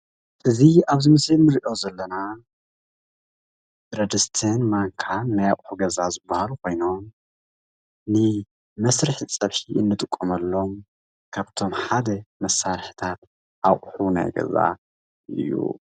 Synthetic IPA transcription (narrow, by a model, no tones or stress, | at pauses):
ʔɨziaβzɨmɐsinɨɾiʔo̞zɐlːɐna | ɾɐd̪ɨst̪ʰɨnmaŋkʰanːajaχʼħuɡɐzazɨbːahalukʰo̞jno̞m | nɨ | mɐsɾɨħt͡sʼɐβħiɨnːɨt̪ʼɨkʼːomɐlːo̞m | kʰaβt̪ʰo̞mħad̪ɐmɐsːaɾħi̥t̪ʰat̪̚ | ʔaχʼħuna̰jɡɐ̰za̰ | ʔɨ̰jːṵ